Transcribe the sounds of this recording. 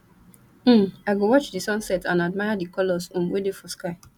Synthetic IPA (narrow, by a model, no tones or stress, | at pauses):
m̩aɡowɔt͡ʃdisɔ̃nsɛtãnadmajadikɔlɔsũmwedefɔskaɪ